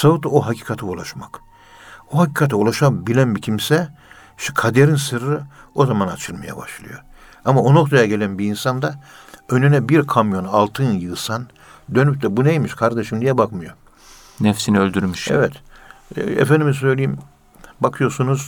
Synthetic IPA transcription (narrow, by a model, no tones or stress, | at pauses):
savut̪oɦacʰi̥ːkʰat̪ʰɯulˠaʃmak | oɦacʰiːkʰat̪ʰɯulˠaʃabilʲænbicʰimsɛ | ʃt̪ɛkʰad̪eɾinsɯɾɯo̞zamanat͡ʃʰɯlˠmaja̰ba̰ʃlˠɯ̰jo | amaono̞k̚t̪ʰajaɟe̞lʲænbiinsand̪aønenɛbiɾkʰamjo̞nalˠt̪ʰɯːnjɯːsan | d̪ø̞nyp̚d̪ɛbunejmiʃkʰaɾd̪eʃimd̪ijɛbakmɯjo̞ | nɛfsiniølʲd̪yɾmyʃḛvɛt̪ | ḛfænd̪imis̬ø̞jlʲijim | bakʰɯjo̞sunuz̥